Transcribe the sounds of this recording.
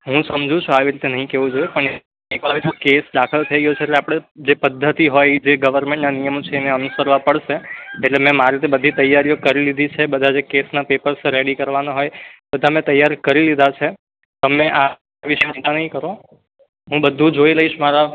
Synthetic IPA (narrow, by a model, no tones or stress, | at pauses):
ɦũsəmd͡ʒʱũt͡ʃʰuaʋiɾit̪enəɦĩkeʋũd͡ʒojepəɳe | ekʋaʋit̪okesd̪akʰəlt̪ʰəiɡjot͡ʃʰeːʈleapɽ̃ed͡ʒepəd̪ʱːət̪iɦojd͡ʒeɡəʋəɾmɛ̃ɳʈnanijəmot͡ʃʰeːneənusəɾʋapəɽʃeːʈlemɛ̃maɾit̪ebəd̪ʱit̪əjːaɾijokəɾilid̪ʱit͡ʃʰebəd̪ʱad͡ʒekesnapepəɾsɾeɽikəɾʋanaɦojbəd̪ʱamɛ̃t̪əjːaɾkəɾilid̪ʱat͡ʃʰe | t̪əmẽʔa | ʋiʃemə̃ʈ̪anəɦĩkəɾo | ɦũbəd̪ʱːũd͡ʒoiləiʃmaɾa